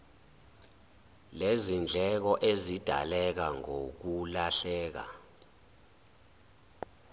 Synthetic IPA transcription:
lezind͡ɮʱɛk̬ɔʔezid̥ʱa̰lɛk̬aŋok̬ulaɬɛːk̬a̰

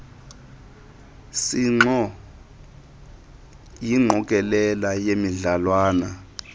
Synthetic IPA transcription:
siŋ͡ǁɔ | jiŋ͡ǁʱɔk̬ʼɛlɛlajemiɮalwaːna

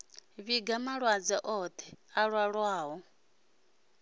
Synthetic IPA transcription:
βiɡamaɺwad͡zɛʔɔt̪ʰɛaɺwaɺwaːɦɔ

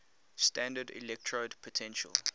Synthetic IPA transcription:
stæ̃ndədḭlɛk̚tʰɹodpʰɔtʰɛ̃nʃə̰lˠ

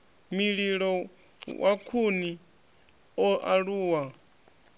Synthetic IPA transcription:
miɺiɺɔ | wʔakʰuni | ɔʔaɺuːwa

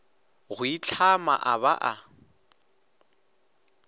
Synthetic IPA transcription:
ɣʊit͡ɬʰama̰ʔaβa̰ʔa

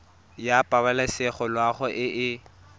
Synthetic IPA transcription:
japʼabalasɪχɔlwaχɔʔɪʔɪ

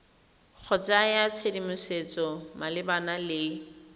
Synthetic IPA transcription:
k͡xʰɔt͡sajat͡sʰedimʊset͡sɔmalɪbanalɪ

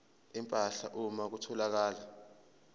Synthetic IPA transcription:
impʼaɬaʔumak̬utʰɔlak̬aːla

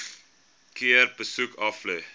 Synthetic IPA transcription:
kiərbəsukɐflø

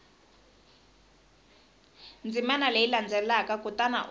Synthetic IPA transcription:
nd͡zimanaleiland͡zʱɛlakakʼutana̰ʔ

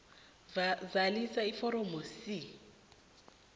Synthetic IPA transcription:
d͡zalisaifɔɾɔmosɪ

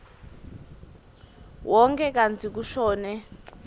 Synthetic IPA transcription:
wɔŋkʰɛkand͡zʰik̬uʃɔːnɛ

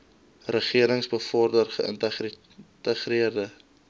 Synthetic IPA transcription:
rəχiəɾəŋsbəfɔrdərχəə̰ntə | təχriərdə

